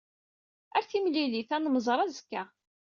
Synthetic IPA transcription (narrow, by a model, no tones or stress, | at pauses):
æɾθimliliθænməzˤɾˤæzəkːæ